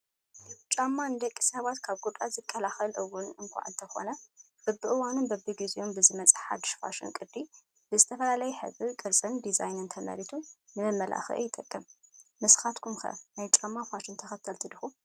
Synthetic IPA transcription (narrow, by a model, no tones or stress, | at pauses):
t͡ʃʼamːanɨd̪ɐkʼːi̥sɐβat̪kʰaβɡut̪ʼazɨkʼʰːɐlaxɐlʔɨwːʊnɨŋkʷʰa̰ʕɨnt̪ʰɐxo̞̰nɐ | b̥ɐbɨʔɨwanunbɐbɨɡizijombɨzɨmɐt͡sʼɨħa̰d̪ɨʃfa̰ʃɪ̰nkʼɨd̪i | b̥ɨzɨt̪ʰɐfɐlalajɛħɨ̰βɨkʼɨɾt͡sʼɨnd̪izajnɨnt̪ʰɐmɐ̰ɾit̪ʰunɨmɐmːɐlʔa̰xɨ̰ʔɨjɪt̪ʼɐkʼːɨmmɨsxat̪kʰumxɐ̰najt͡ʃʼamːafaʃɪnt̪ʰɐxɐt̪ʰːɐlt̪ʰɨd̪ɨxu